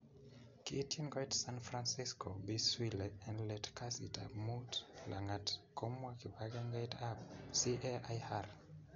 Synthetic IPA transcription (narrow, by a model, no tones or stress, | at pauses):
kiːtinɡɔjtsanfɾansiskobiswilɛɛnlɛtkasitamutla̰ŋatkɔmwakibaɡɛŋɡajtabsiʔɛajhar